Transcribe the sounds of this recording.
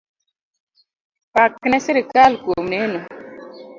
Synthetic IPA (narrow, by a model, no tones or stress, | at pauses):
paknesiɾikaːlkomnenu